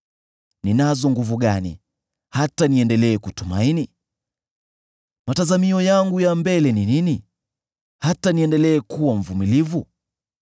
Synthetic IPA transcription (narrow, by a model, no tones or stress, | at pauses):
ninazɔŋɡuvuɠanḭ | hataniɛndɛlɛːkutuma̰ini | matazamiɔjaŋɡujambɛlɛninini | hataniɛndɛlɛːkuwaɱ̩vumilivu